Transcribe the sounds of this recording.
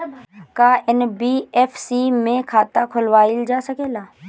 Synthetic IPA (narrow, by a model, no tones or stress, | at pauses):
kaːɪnbiːɛːfʰsiːmẽːkʰaːt̪akʰʊlʋaːɪld͡ʒaːsəkeːlaː